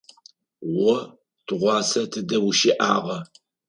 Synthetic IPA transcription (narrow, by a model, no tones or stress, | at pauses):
wɔ | tʰɨʁʷɑːsɐtʰɨdɐwʊʃiːʔaːʁɐ